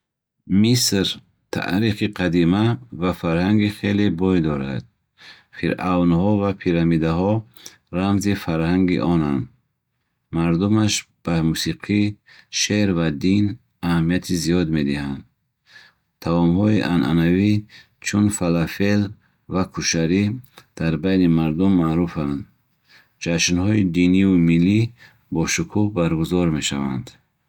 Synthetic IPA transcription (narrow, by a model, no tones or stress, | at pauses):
misɾ | t̪ʰa̰ʔɾiχiqʰad̪imavafaɾhaŋɡiχelebɔjd̪ɔɾa̰d̪̥̚ | fʰiɾawnhɔvapʰiɾamid̪aɦɔ | ɾamzifaɾhaŋɡḭʔɔnand̪ | maɾd̪umaʃb̥amusiqʰi | ʃeɾvad̪in | ahamːiat̪ʰizijɔd̪me̞d̪ihand̪ | t̪ʰaɔmhɔiʔanʔa̰navi | t͡ʃʰunfalafel | vakʰuʃaɾid̪̥aɾbajnimaɾd̪umːaɾufand̪ | d͡ʒaʃnhɔid̪iniumilːi | bɔʃukʰuhbaɾɡuzɔɾme̞ʃavand̪